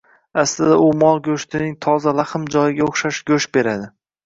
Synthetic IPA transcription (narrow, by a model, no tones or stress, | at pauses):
aslɪd̪aʊmɒlˠɡʲoʃt̪ʰɪnɪŋt̪ʰɒzalaχɨmd͡ʒɒjɪɡʲaoχʃaʃɡ̥ʲɵʃbe̞ɾad̪ɪ